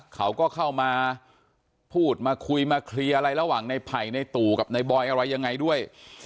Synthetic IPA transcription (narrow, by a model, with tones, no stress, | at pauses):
kʰa˦˥wkɔː˥˩kʰa˥˩wmaː˧ | pʰuː˥˩t̪̚maː˧kʰu˧jmaː˧kʰli˧ʔa˧ɾa˧jɾa˧waː˨˩ŋna˧jpʰa˨˩jna˧jt̪uː˨˩ka˨˩p̚na˧jbɔː˧jʔa˧ɾa˧jːa˧ŋːa˧jdu˥˩əj